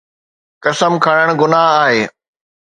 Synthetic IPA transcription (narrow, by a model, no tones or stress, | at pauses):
kɐsəmkʰɐɽ̃əɽ̃ɡʊnaɦaːɦeː